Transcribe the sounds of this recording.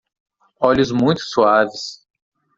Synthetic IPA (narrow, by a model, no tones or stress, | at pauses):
ɔʎʊzmũj̃t̪ʊ̥suavɪs